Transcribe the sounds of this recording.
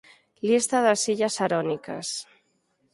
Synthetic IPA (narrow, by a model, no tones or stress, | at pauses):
list̪aðəsiʎasaɾɔnika̰s